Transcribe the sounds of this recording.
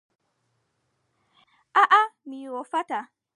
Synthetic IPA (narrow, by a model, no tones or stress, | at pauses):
ʔaʔamiwɔfata